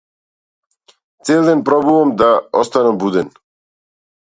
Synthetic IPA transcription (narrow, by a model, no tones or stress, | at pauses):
t̪seːlˠd̪ɛnpɾɔbuʋamd̪aɔst̪anɛmbud̪ɛn